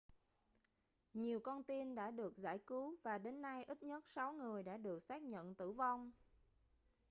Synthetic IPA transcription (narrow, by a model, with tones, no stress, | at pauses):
ɲi˨˩əwkɔ˧nt̪i˧nɗa̰ː˧˥ɗɨ˨˩ək̚za̰ː˧˩jkɨ˨˦wvaː˨˩ɗe˨˦nːa˧jʔi˦˥t̚ɲə˦˥t̚sa˨˦wŋɨ˨˩əjɗa̰ː˧˥ɗɨ˨˩ək̚saː˦˥k̚ɲə̰˧˨nt̪ɨ̰˧˩vɔ˧wŋ͡m